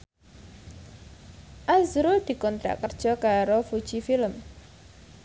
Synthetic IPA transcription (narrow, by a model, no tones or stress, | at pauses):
ʔazɾud̪̥i̤kɔnt̪ɾa̰ʔkərd̥ʒ̥ɔ̤kaɾofud̥ʒ̥ifiləm